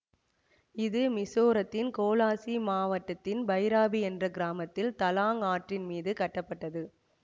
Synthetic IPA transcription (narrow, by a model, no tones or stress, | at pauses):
ɪðɯmɪsoːɾɐt̪ːɪnkoːlaːsimaːʋɐʈːɐt̪ːɪnbɐɪɾaːbiɛndrɐɡɪɾaːmɐt̪ːɪlt̪ɐlaːŋaːʈrɪnmiːðɯkɐʈːɐpːɐʈːɐðɯ